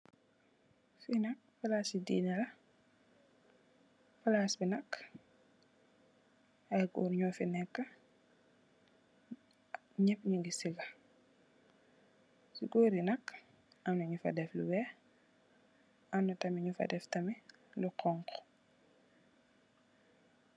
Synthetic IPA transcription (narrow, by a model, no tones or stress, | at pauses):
finɐk̚fɐlaːsidḭːnɐlɐ | fɐlaːsbinɐk | ɐjɡṵːɾɲɔːfinɛkːɐ | ɲɛpːɲuŋɡisiɡɐ | suɡoːɾinɐk | ʔɐmnɐɲufɐ̰dɛfluwɛ | ɐmnɐtɐmiɲufɐ̰dɛftɐmi | luqʰɔŋk